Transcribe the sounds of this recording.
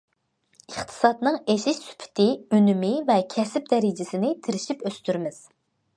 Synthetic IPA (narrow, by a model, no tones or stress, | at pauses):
əχt̪ʰɨ̥sɑt̪nɨŋeʃiʃsy̥pʰɪ̥t̪ʰɪynymɪvɛkʲʰɛsɪp̚d̪ɛɾɪd͡ʒɪsɪnɪt̪ʰɪɾɪʃipøst̪yɾmɪz̥